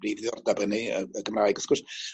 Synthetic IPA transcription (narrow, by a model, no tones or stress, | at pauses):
riːvðiɔrdabəniəəɡəmraːɨɡəskʊs